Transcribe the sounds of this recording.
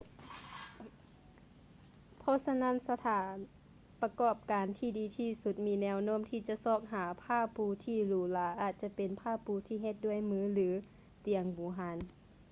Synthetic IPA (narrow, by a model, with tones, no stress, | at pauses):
pʰɔː˧˥˨sa˧na˧˥˨nsa˧t̪ʰaː˨˦n | pa˧kɔː˧˩p̚kaː˨nt̪ʰiː˧˩diː˨˦t̪ʰiː˧˩su˧˦t̪̚miː˧˥nɛː˧˨wnoː˧˥˨mt̪ʰiː˧˩t͡ɕa˧˨ʔsɔː˧˩k̚ɦaː˨˦pʰaː˧˩˨puː˧˦t̪ʰiː˧˩luː˨˩˦laː˨˦ʔaː˨˩t̪̚t͡ɕa˧pe˨npʰaː˥˩˨puː˧˦t̪ʰiː˧˩ɦe˧˦t̪̚du˥˩˨ə˨jmɯː˧˦lɯː˨˦ | t̪i˨əŋbuː˨˦ɦaː˧˦n